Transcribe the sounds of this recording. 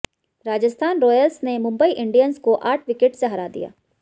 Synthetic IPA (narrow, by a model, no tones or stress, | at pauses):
ɾaːd͡ʒəst̪ʰaːnɾɔːjəlsnemʊ̃mbəiʔɪ̃ɳɖijənskoʔaːʈʰʋɪkeʈseɦɐɾaːd̪ḭja̰ː